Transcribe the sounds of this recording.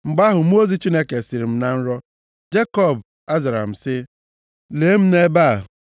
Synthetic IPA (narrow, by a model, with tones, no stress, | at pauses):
ŋ͡m̩˨ɡ͡ba˦ɦʊ˨m̩˦o˦zi˨st͡ʃi˦ne˦ke˨si˨ɾi˨m̩˦na˨n̩˦ɾɔ˦ | d͡ʒe˦kɔ˦˨b | a˦za˨ɾa̰˨m̩˨sɪ˦ | le˨˦m̩˦ne˦ba˦˨